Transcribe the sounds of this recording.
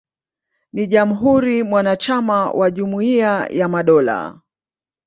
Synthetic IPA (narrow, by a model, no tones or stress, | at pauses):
niʄam̩ɦuɾimwanat͡ʃamawʔaʄumuiajamaɗɔla̰